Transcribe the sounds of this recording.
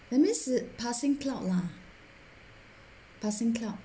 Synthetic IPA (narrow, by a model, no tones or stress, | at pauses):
ðɛmɪsəpʰasɪ̃ŋkʰlaʊʔla | pʰasɪ̃ŋkʰlaʊʔ